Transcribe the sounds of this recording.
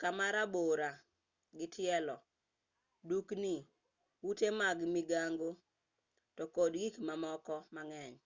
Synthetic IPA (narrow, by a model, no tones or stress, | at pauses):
kamaɾaboɾa | ɡɪtɪɛlɔ | dukni | wutemaɡmiɡaŋɡo | tɔkodɡikmamɔkɔmaŋɛɲ